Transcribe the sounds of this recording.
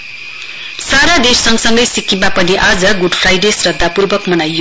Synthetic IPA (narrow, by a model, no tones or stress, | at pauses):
saɾad̪essʌŋsʌŋɡʌjsikibapʌniʔad͡zʌɡuɖpʰrajɖesrʌd̪ʱːapurbʌkmʌnajːo